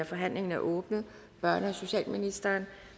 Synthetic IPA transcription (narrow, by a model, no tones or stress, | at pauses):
æfɒ̽ɦæn̰le̝ŋn̩æʔɔ̽ːb̥nð̩ˠ | b̥ɶɐ̰nəɒso̝ɕɛ̰ːlminisd̥ɐːn